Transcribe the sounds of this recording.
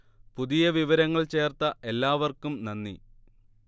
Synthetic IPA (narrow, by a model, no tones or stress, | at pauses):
puðijɐʋiʋɐɾɐŋːɐɭt͡ɕe̞ːrt̪ɐʔe̞lːaːʋɐrkumnɐnːḭ